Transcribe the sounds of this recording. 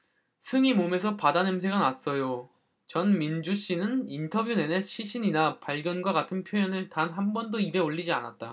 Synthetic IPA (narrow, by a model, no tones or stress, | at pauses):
sʰɯŋimomes̬ʰʌpadanɯmsʰe̞ɡanas͈ʌjo | t͡ɕʌnmind͡ʑuɕ͈inɯnintʰʌbjune̞neɕʰiɕʰiɲinapaɭɡjʌnɡwaɡatʰɯnpʰjojʌnɯɭtanɦambʌndoibe̞oʎːid͡ʑia̰na̰t̚t͈a̰